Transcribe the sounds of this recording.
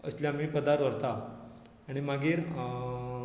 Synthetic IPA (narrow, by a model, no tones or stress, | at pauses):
ə̰sljaamiːpəd̪aɾt̪ʋəɾt̪a | aɽ̃imaɡiːɾ